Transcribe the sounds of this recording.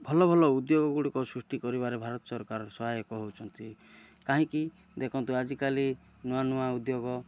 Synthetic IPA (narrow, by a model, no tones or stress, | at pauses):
bʱɔlɔbʱɔlɔud̪joɡɔɡuɽikɔsɾusʈikɔɾibaɾebʱaɾɔt̪ɔ̥sɔɾkaɾɔsɔɦajɔkɔɦut͡ʃʰɔnt̪i | kaɦĩki | d̪ekʰɔnt̪uad͡ʒikali | nuanuaud̪joɡɔ